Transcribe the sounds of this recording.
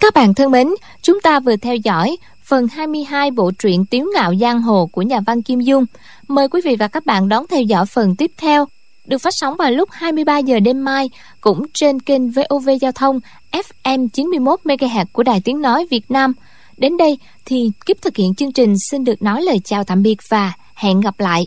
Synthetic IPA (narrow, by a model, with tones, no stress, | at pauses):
kaː˦˥k̚ɓa̰ː˧˨nt̪ʰɨ˧əŋɓe˨˦n | t͡ɕʊ˨˦ŋ͡mt̪aː˧vɨ˨˩ət̪ʰɛ˧wzɔ̰˧˥˩j | fə˨˩nhaː˧jmɨ˧əjɦaː˧jɓo̰˧˨t͡ɕwḭ˧˨ənt̪i˨˦wŋa̰ː˧˨wzaː˧ŋɦo˨˩ku˧˩əɲaː˨˩va˧nki˧mzʊ˧ŋ͡m | məː˨˩jkwi˨˦vḭ˧˨vaː˨˩kaː˦˥k̚ɓa̰ː˧˨nɗɔ˨˦nt̪ʰɛ˧wzɔ̰˧˩jfə˨˩nt̪i˦˥p̚t̪ʰɛ˧w | ɗɨ˨˩ək̚faː˦˥t̚sɔ˨˦wŋ͡mvaː˨˩wlʊ˦˥k͡p̚haː˧jmɨ˧əjɓaː˧zəː˨˩ɗe˧mːaː˧j | kʊ̰˧˥ŋ͡mt͡ɕe˧nke˧nve˧ʔo˧ve˧zaː˧wt̪ʰə˧wŋ͡m | ʔɛ˦˥f̚ʔɛ˧mt͡ɕi˨˦nmɨ˧əjmo˦˥t̚me˧ɣaː˧ɦɛ˨˩t̚ku˧˩əɗaː˨˩jt̪i˨˦əŋnɔ˨˦jvi˨˩ət̚naː˧m | ɗe˨˦nɗə˧j | t̪ʰi˨˩ɣi˦˥p̚t̪ʰɨ˨˩k̚hḭ˧˨ənt͡ɕɨ˧əŋt͡ɕï˨˩ŋ̟si˧nɗɨ˨˩ək̚nɔ˨˦jləː˨˩jt͡ɕaː˨˩wt̪ʰa̰ː˧˨mɓi˨˩ət̚vaː˨˩ | hɛ̰˧˨nɣa˨˩p̚la̰ː˧˨jʔ